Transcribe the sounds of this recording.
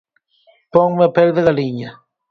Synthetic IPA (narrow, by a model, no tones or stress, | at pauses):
pɔŋmeapelðeɣaliɲa